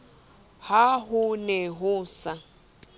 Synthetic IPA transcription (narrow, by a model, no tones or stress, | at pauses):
haɦʊnɛɦʊːsa